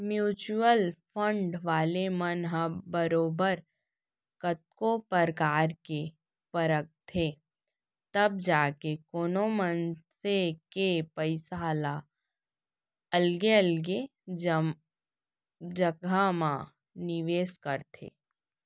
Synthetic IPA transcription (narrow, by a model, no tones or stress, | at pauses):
mjuːt͡ʃuwəlpʰə̃ɳɖʋaːlemənɦəbəɾoːbəɾ | kət̪̚kopəɾkaːɾke | pəɾək̚t̪ʰe | t̪əb̚d͡ʒaːkekoːnomənsekepəɪsaːla | əlɡeəlɡe | d͡ʒəɡʱamã | nɪʋeːskəɾt̪ʰḛː